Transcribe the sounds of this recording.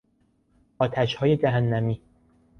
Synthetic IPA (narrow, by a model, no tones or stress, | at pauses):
ɒːt̪ʰæʃhɒːje̞d͡ʒæɦænːæmiː